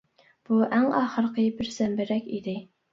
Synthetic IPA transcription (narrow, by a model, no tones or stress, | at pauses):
b̥uʔæŋɑːχəɾəqʰəbɪɾsɛmbɪɾɛkʲid̪ɪ